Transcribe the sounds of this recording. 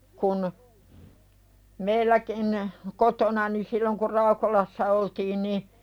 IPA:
kun meilːækin kotonɑni silːoŋ kur rɑukolɑsːɑ oltiːn ni

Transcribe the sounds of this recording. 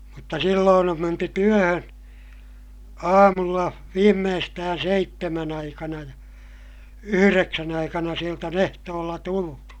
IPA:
mutːɑ silːoːn om menty tyøhøn ɑːmulːɑ ʋiːmːeːstæːn seitːemæn ɑikɑnɑ jɑ yhyreksæn ɑikɑnɑ sielt on ehtoːlːɑ tultu

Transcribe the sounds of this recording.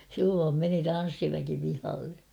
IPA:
silːoːm meni tɑn̞sːiʋæki pihɑlːe

